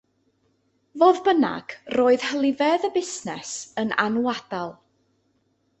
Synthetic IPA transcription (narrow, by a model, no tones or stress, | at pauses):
voːðbəna̰ɡ̥roːɨð̥həlˠɪvɛðəbɪsnɛsənʔa̰nwad̥alˠ